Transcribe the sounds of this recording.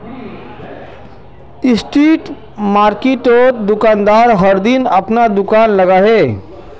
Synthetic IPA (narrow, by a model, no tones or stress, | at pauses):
ɪsʈiːʈ | maːɾkeʈoːd̪ʊkaːnd̪aːɾɦəɾd̪ɪnɐpnad̪ʊkaːnləɡaɦeː